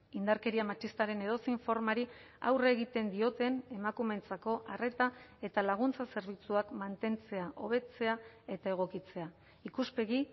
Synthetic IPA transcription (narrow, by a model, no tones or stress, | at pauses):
ind̪aɾke̞ɾiamat͡ʃist̪aɾe̞ne̞ðo̞siɱfo̞ɾmaɾi | a̰wre̞ɣit̪e̞nd̪io̞t̪e̞ne̞makume̞nt͡sako̞ʔare̞t̪ae̞t̪alaɣ̞unt͡sase̞ɾβ̞it͡suakmant̪e̞nt͡se̞aʔo̞β̞e̞t͡se̞ae̞t̪ae̞ɣ̞o̞kit͡se̞a | ikuspe̞ɣi